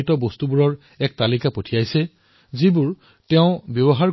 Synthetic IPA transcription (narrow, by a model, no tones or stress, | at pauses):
itɔbostubuɹɔɹ | ɛk̚talikapotʰijajsɛ | zibuɹ | tɛʊ̃bjɔbɔɦaɹ